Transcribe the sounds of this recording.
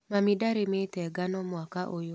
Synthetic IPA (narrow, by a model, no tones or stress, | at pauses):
mamidaɾɪmet̪ɛɡanɔmwakaʔojo